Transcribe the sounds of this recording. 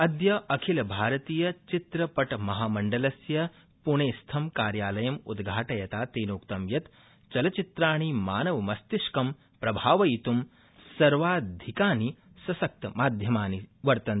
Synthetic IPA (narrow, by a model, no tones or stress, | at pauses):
ɐd̪jɐʔɐkʰilɐbʱaːɾɐt̪iːjɐt͡ʃit̪ɾɐpɐʈmɐɦaːmɐɳɖɐlɐsjɐ | puɳ̃eːst̪ʰɐmkaːɾjaːlɐjɐmud̪ɡʱaːʈɐjɐt̪aːt̪eːnoːkt̪ɐmjɐt̪ | t͡ʃɐlɐt͡ʃit̪ɾaːɳ̃imaːnɐʋɐmɐst̪iʂkɐm | pɾɐbʱaːʋɐit̪um | sɐɾʋaːd̪ʱikaːni | sɐsɐk̚t̪ɐmaːd̪ʱjɐmaːniʋɐɾt̪ɐn